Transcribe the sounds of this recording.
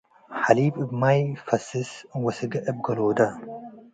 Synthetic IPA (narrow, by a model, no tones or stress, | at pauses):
ħaliːbɨbmajfɐsɨswɐsɨɡɐʔɨb̚ɡɐloːd̪ɐ